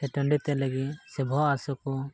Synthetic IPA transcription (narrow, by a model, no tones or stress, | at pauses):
ɛʈəɳɖit̪ɛləɡit̪sɛbʱɔasɔkɔ